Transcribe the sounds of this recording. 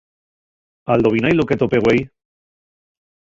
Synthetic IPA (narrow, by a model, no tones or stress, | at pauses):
ald̪oβinajloket̪opeɣwej